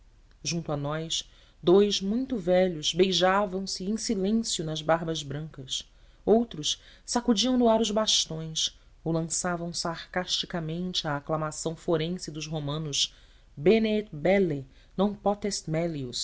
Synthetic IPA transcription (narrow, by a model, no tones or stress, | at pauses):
ʒũnt̪ʊanɔjs | d̪ojzmũj̃t̪ʊvɛʎʊzbejʒavɐ̃w̃sɪẽj̃silẽsjʊnɐzbaɦbɐzbɾɐ̃ŋkɐs | owt̪ɾʊs | sakud͡ʒiɐ̃w̃nʊaɾʊzbaʃt̪õj̃s | olɐ̃savɐ̃w̃saɾkaʃt͡ʃikɐmẽnt͡ʃɪaːklamasɐ̃w̃foɾẽsɪd̪ʊʃɦomɐ̃nʊz | benet̪bɛle | nɐ̃w̃pɔt̪est̪mɛlius